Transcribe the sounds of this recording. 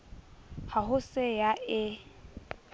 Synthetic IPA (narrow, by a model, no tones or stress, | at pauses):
haɦʊsɪjaɪ